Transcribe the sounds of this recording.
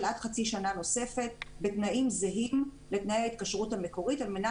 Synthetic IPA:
lʔatχat͡siʃanano̞se̞fe̞t̚be̞tnaʔimzeɦim | le̞tnajeait̪̚kaʃʁuthame̞ko̞ʁitalme̞na

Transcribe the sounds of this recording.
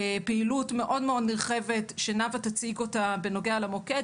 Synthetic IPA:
peilutme̞ʔo̞dmeo̞dniʁχe̞vetʃenavat̪at͡siɡo̞tabe̞no̞ɡealamoke

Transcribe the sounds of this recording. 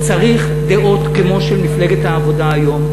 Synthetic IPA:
t͡saʁiχ | d̪eʔo̞tkemo̞ʃelmifle̞ɡet̪haːvo̞daːjo̞m

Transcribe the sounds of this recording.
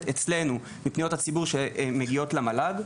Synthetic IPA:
et͡sle̞nu | mipnijothat͡sibuʁʃemeɡio̞tlamalad

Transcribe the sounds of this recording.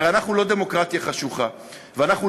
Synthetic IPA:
eanaχnulo̞d̪e̞mo̞kʁat̪jaχaʃuχa | veanaχnu

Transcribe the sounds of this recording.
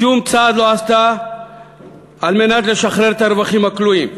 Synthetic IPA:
umt͡saːd̪loast̪a | ɐlmenɐt̪leʃɐxɾeɾt̪ɐɾʋɐximɐkluim

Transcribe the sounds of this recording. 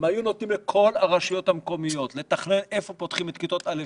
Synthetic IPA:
majunot̪nimlekʰo̞laʁaʃijo̞t̪hamko̞mijo̞t̪le̞t̪aχne̞ne̞fo̞po̞t̪χimet̪kit̪o̞t̪ale

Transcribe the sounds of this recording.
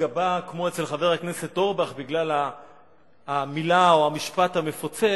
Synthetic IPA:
abakmo̞et͡selχave̞ʁhakne̞se̞t̪o̞ʁbaχbiɡlalaː | milaoamiʃpat̪hame̞fot͡se

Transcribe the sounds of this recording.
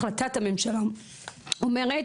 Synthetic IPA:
lat̪at̪amemʃala | omeʁet

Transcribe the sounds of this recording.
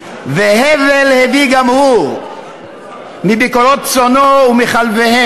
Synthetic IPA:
vehevelheviɡamhu | mibikoʁot̪̚t͡sonoumiχalvehe

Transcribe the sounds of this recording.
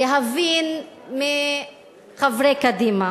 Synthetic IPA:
jeɦavin | mi | χavɾekad̪ima

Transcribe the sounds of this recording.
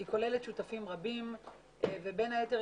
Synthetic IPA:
iko̞leletʃutafimʁabim | vebenajete

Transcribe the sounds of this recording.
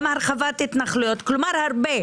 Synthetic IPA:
maɾχavat̪hit̪naχlujot̪klumaɾhaɾbe

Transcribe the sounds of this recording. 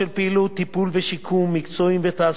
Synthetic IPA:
elpeilut̪ːipulveʃikʰumːikt͡soimvet̪aː

